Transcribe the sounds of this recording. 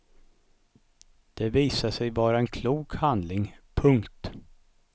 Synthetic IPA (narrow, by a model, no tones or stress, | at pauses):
d̪̥ɛviːsaʂɛjvɑːɾaɛnkʰluːkhand̪lɪŋpʰɵŋkt̪